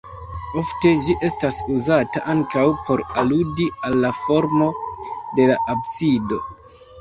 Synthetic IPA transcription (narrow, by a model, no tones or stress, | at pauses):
o̞fte̞d͡ʒiʔe̞stasuzataʔaŋkawpʰo̞ɾaludialːafo̞ɾmo̞de̞laʔabsido̞